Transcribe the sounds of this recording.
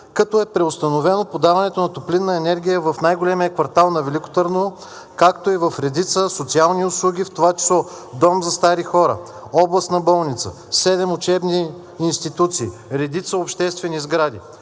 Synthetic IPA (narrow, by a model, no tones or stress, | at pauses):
kɐt̪ɔɛpɾɛʊst̪ɐnovɛnopod̪avɐnɛt̪onɐt̪oplinːɐɛnɛɾɡʲijəvɐfnajɡolɛmiəkvɐɾt̪alˠnɐvɛlikʊ̥t̪əɾnoo | kakt̪oivɐfɾɛd̪it̪səsot̪sialˠniʊslˠuɡʲift̪ovat͡ʃi̥slˠɔ | d̪ɔmzɐst̪aɾixɔɾə̰ | ɔblˠɐst̪nɐbɔlˠnit̪sə̰ | sɛd̪ɛmʊt͡ʃɛbniː | nst̪it̪ut̪siːɾɛd̪it̪səopʃt̪ɛst̪vɛnizɡɾad̪i